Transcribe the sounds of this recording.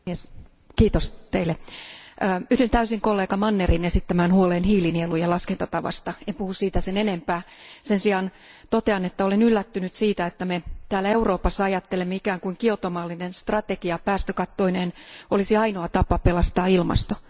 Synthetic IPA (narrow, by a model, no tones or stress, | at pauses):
es | kiːt̪ost̪eilːeʔːyt̪ynt̪æysiŋkolːeːkɑmɑnːerinesit̪ːæmæːnhuoleːnhiːlinielujɑlɑskent̪ɑt̪ɑʋɑ̰st̪ɑempuhussiːt̪æsenenempæːsensiɑn | t̪ot̪eɑnet̪ːæolenylːæt̪ːynyt̪siːt̪æet̪ːæmet̪æːlæeuroːpɑsːɑɑjɑt̪ːelemːeikæːŋkuiŋkiot̪omɑːlːinenst̪rɑt̪ekiɑpæːst̪økɑt̪ːoineːnolisiɑinoɑt̪ɑpːɑpelɑst̪ɑːilmɑ̰st̪o